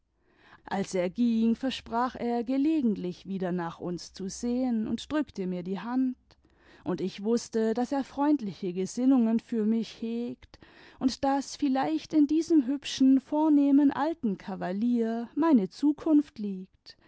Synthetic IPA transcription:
ʔalseːɐɡiŋfɛɐʃpʁ̥aːχʔeːɐɡəleːɡŋ̩tlɪçv̥iːdɐnaːχʔʊ̰nst͡suzeːənʊ̰ntd̥ʁʏktəmiːɐdiːɦant | ʔʊntɪçv̥ʊstədaseːɐfʁ̥ɔʏntlɪçəɡəzɪnʊŋənfyːɐmɪçheːkt | ʔʊntd̥asfɪlaɪçtɪndiːzəmɦʏpʃn̩foːɐneːmənʔa̰ltn̩kʰavaliːɐmaɪnət͡suːkʰʊnftliːkt

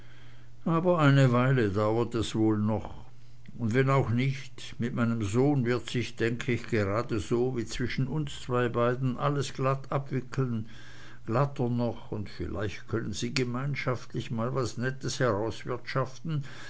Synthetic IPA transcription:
ʔaːbɐʔaɪnəvaɪlədaʊɐtɛsvoːlnɔχ | ʊndvɛnaʊxnɪçt | mɪt̚maɪnəmzoːnvɪɐtsɪçd̥ɛŋkʰəɪçɡ̥əʁaːdəzoːviːt͡sv̥ɪʃn̩ʊnst͡sv̥aɪbaɪdn̩ʔaləsɡ̥latabv̥ɪkʰl̩n | ɡ̥latɐnɔχʊntfɪla̰ɪçtkʰœnənziːɡəmaɪnʃaftlɪçmaːlvasnɛtəshɛʁaʊsv̥ɪɐtʃaftn̩

